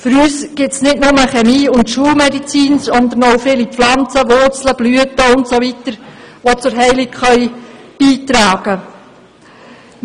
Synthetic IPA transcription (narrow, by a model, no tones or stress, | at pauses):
fʏɾyːsɡ̥ɪtsnɪtnʊməχɛmiːʊntʃuəlmɛdit͡siːnsɔnd̪ənowfɪːliflɑnt͡səʋʊrt͡sləb̥lyətəʊntsoʋitəɾʋot͡sʊɾɦɛɪlɪkχœʏ | b̥iːtɾɑːɡ̥ə